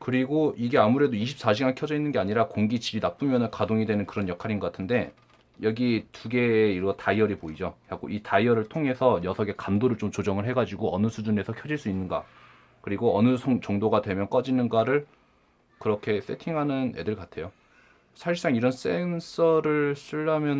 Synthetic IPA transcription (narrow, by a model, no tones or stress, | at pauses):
kɯɾiɡoiɡe̞amuɾe̞doiɕʰi̥p̚s͈aɕ̬ʰiɡankʰjʌd͡ʑʌinːɯnɡe̞aɲiɾakoŋɡit͡ɕiɾinap͈umjʌnɯnkadoŋidwe̞nɯnkɯɾʌnjʌkʰaɾinŋɡʌk͈atʰɯnde̞ | jʌɡituɡe̞ːiɾʌtaiʌɾipoid͡ʑoaɡo̰itaiʌɾɯɭtʰoŋɦe̞sʰʌjʌsʰʌɡe̞kamdoɾɯɭt͡ɕ͈omt͡ɕod͡ʑʌŋɯɭɦeɡad͡ʑiɡoʌnɯsʰud͡ʑune̞sʰʌkʰjʌd͡ʑiɭs͈uinːɯnɡa̰ | kɯɾiɡoʌnɯsʰʌŋt͡ɕʌŋdoɡadwe̞mjʌnk͈ʌd͡ʑinɯnɡaɾɯɭ | kɯɾʌkʰe̞s͈e̞tʰiŋɦanɯne̞̰dɯɭkatʰe̞jo | sʰaɕʰis͈aŋiɾʌns͈e̞ns͈ʰʌɾɯɭsʰɯɭːamjʌn